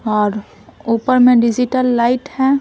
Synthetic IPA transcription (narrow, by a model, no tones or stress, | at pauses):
ɔɾ | upəɾmẽɖiziʈəlːajʈhɛ